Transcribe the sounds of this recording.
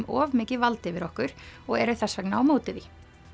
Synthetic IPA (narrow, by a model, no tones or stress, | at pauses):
mɔːvmɪːcɪvalt̪ɪvɪɾɔhkʏɾ̥ɔɣɛɾʏθɛsːvɛknaːwmoːwt̪ɪði